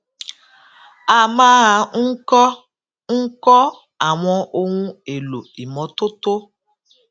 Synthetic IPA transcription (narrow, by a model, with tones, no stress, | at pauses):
a˨mã˦˨ŋ̩˦kɔ˦ | ŋ̩˦kɔ˦ | a˨w̃ɔ̃˧ʔo˦ŋũ˦e˨lo˨i˨mɔ̃˨˦to˦to˦